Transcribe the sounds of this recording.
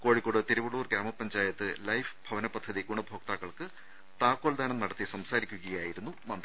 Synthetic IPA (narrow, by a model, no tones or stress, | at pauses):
ko̞ːɻikːoɽɨt̪iɾuʋuɭuːrɡɾaːmɐpːɐnd͡ʑaːjɐt̪ːɨlɐjfb̥ʱɐʋɐnɐpːɐd̪ʱːɐðiɡuɳɐbʱoːk̚t̪aːkːɐɭkɨ | t̪aːkːoːld̪aːnɐmnɐɽɐt̪ːisɐmsaːɾikʲːuɣɐjaːjiɾunːumɐnd̪ɐ